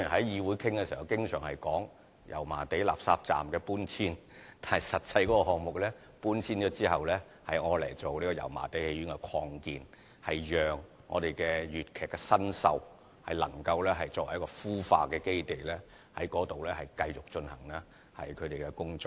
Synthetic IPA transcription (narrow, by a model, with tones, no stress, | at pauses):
i˨˩nɦɐ˨˦˥jiː˧wuː˨˥jkʰɪ˥ŋkɛ˧siː˨˩hɐ˨˩wkɪ˥ŋsœː˨˩ŋhɐ˨jkɔː˨˥ŋ | jʔɐ˨˩wmaː˨˩t̪e˨˥jla̰ː˨p̚saː˧p̚t͡sa̰ː˨mkɛː˧puː˥nt͡sʰiː˥n | t̪aː˨nhɐ˨˩jsɐ˨t̚t͡sɐ˧jkɔ˨˥kɔ˧hɔː˨ŋmʊ˨k̚lɛː˥ | puː˥nt͡sʰiː˥nt͡ʃɔː˨˥t͡siː˥hɐ˨wlɛː˥ | hɐ˨˩jŋɔː˨˧lɐ˨˩jt͡so˨wniː˥kɔ˧jɐ̰˨˩wma̰ː˨˩t̪e˨˥jhe˧jyː˨˥nkɛ˧kʰɔː˧ŋkiː˨n | hɐ˨jjœː˨ŋː | ɔː˨˧t̪e˨jkɛː˧jyː˨t̚kʰɛː˨kːɛ˧sɐ˥nsɐ̰˧w | hɐ̰˨˩jlɐ˨˩ŋkɐ˧wlɛː˥ɦɐ˨jt͡sɔː˧˨wɐ˨˦˥kɔː˧fuː˥fa̰ː˧kɛː˧ke˥jt̪e˨jlɛː˥ | hɐ˨˥jkɔː˨˥t̪o˨wlɛː˥hɐ˨jkɐ˧jt͡sʊ˨k̚t͡ʃɵ˧nhɐ˨˩ŋlɛ˥ | hɐ̰˨˩jkʰɵ˨˧t̪e˨jkɛ˧kʊ˥ŋt͡sɔ˥